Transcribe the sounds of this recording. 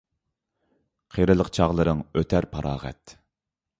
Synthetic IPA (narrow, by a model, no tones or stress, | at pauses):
qʰeɾɨlˠəqt͡ʃʰɑʁlˠɨɾɨŋøt̪ʰæɾpʰɑɾʔɑːʁɛ̰t̪